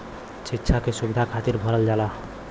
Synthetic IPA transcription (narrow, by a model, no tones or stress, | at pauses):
t͡ʃitːʃʰakesubid̪ʱakʰat̪iɾbʱʌɾəld͡ʒala